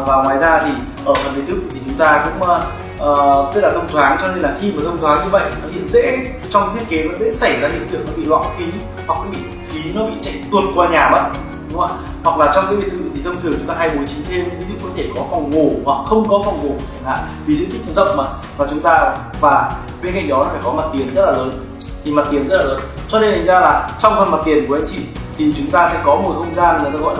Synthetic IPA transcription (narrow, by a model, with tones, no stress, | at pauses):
vaː˨˩ŋwaː˨˦jzaː˧t̪ʰi˨˩ | ʔəː˧˩fə˨˩nɗi˨˦nt̪ɨ˦˥k̚t̪ʰi˨t͡ɕʊ˨˦ŋ͡mt̪aː˧kʊ̰˧˥ŋ͡m | ʔə˨t̪ə˦˥laː˨˩t̪ʰə˧ŋ͡mt̪ʰwaː˨˦ŋt͡ɕɔ˧ne˧nlaː˨˩xi˧maː˨˩t̪ʰə˧wŋ͡mt̪ʰwaː˨˦ŋɲɨ˧və̰˧˨jnɔ˨˦hḭ˧˨ənzḛ˧˥t͡ɕɔ˧wŋ͡mt̪ʰi˦˥ət̚ke˨˦nɔ˨˦zḛ˧˥sa˧˩jzaː˧˩hḭ˧˨nt̪ɨ˨˩ək̚nɔ˨˦ɓḭ˧˨lwa̰ː˧˨nxi˨˦ | hwa˨˩k̚kːaː˨˦jɓḭ˧˨˩ | xi˨˦nɔ˨˦ɓḭ˧˨t͡ɕa̰˧˥jŋ̟t̪wn̚kwaː˧ɲaː˨˩ɓə̰˧˥n̚ | ʊ˨˦ŋ͡ma˧˩ | hwa˨˩k̚laː˨˩t͡ɕɔ˧ŋ͡mkaː˨˦jvi˨ət̪ʰɨ˧˩ḭ˨˩t̪i˨˩ə˧mt̪ʰɨ˧˩ŋt͡ɕʊ˨˦ŋ͡mt̪aː˧ɦaː˧jɓo˨˦jt͡ɕi˨˦t̪ʰe˧m̰˧˥ŋvi˨˦zṵ˧˨ŋkɔ˨˦t̪ʰe˧˩kɔ˨˦fɔ˨˩wŋ͡mŋo˨˩hwa˨˩k̚xə˧wŋ͡mkɔ˨˦fwŋ͡mŋo˨˩˧a˨˧˩la̰ː˨˩˨ | vi˨˩zɨ̰˧˥t̪i˦˥k̚zə̰˧˨wŋ͡mmaː˨˩ | vaː˨˩t͡ɕʊ˨˦ŋ͡mt̪aː˧ | vaː˨˩˦ | ɓe˧nka̰˧˨˩ɗɔ˨˦nɔ˨˦faː˧˩jkɔ˨˦maː˨˩t̪̚t̪i˨˩ənzə˦˥t̚laː˨˩ləː˨˦n | t̪ʰi˨˩ma˨˩t̪i˨˩ənzə˦˥t̚laː˨ləː˨˦nt͡ɕɔ˧ɗe˧jt̪ʰa˨˩ŋzaː˧laː˨˩t͡ɕɔ˧wŋ͡mt̪ʰə˨˩ma˨˩t̚t̪i˨˩ənku˧˩ə˨ʔə˨˦t͡ɕḭ˧˨t̪ʰi˨˩t͡ɕʊ˨˦ŋ͡mt̪aː˧sɛ̰˧˥kɔ˨˦mo˨˩t̚ho˧zaː˧n˨˩˨ɣɔ̰˧˨l